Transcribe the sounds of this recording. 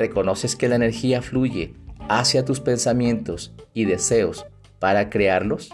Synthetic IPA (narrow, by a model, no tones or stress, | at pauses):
re̞ko̞no̞se̞ske̞laene̞ɾxiafluʝe̞̰asjat̪uspe̞nsamjẽ̞nt̪o̞siðe̞se̞o̞s | paɾakɾeaɾlo̞s